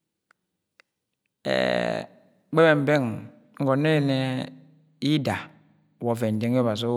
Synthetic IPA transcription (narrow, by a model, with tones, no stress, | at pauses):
ḛ˨˦ | k͡pe˦be˨m̩˨be˦˨ŋ | ŋ̩˦ɡɔ˨ne˦˨ne˦ | i˦da˨ | wɔ˨fe˨n̩˨de˨ŋ˦ba˨s̬o˦